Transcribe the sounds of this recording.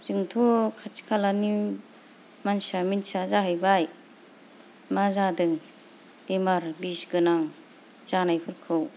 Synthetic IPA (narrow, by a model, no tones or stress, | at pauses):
zɯŋtʰɔkʰat͡ʃi̥kʰalani | mansaminsazaɦɯjbaj | mazadɯŋ | emaɾbisɡɯnaŋ | z̥anajpʰɯɾkʰɯw